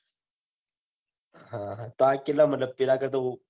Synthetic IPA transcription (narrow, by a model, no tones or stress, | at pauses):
hãɦãt̪aːkelːamət̪ləb̚pilakəɾt̪o